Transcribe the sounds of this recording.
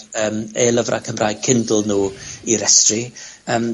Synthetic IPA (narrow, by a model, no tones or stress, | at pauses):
əːmelˠəvrʔa̰kʰəmraːjɡ̚kʰɪndʊlˠnuːiɾɛstriəːm